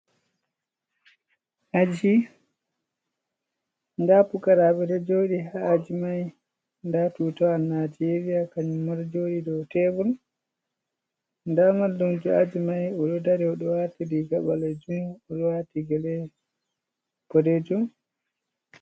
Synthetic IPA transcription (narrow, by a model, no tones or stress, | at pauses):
ʔad͡ʒi | ndapukaɾaɓɛdɛd͡ʒoːɗiɦaːd͡ʒimaj | ndatutɔanad͡ʒeɾijakaɲumaɾd͡ʒoːɗidɔtɛbɔl | ndamaldɔmd͡ʒɔad͡ʒimajɔɗɔdaɾɛɔɗɔwatidiɡaɓalad͡ʒumɔɗɔwatiɡɛlɛ | pɔdɛd͡ʒɔm